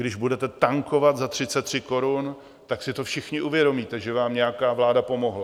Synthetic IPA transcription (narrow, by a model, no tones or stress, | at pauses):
ɡdɪʒbudɛt̪ɛt̪aŋko̞vat̪zat̪r̝̥ɪt̪t͡sɛt̪ːr̥ɪko̞ɾun | t̪aksɪt̪o̞fʃɪxɲɪʔuvjɛdo̞miːt̪ɛʒɛvaːmɲɛakaːvlaːdapo̞mo̞ɦla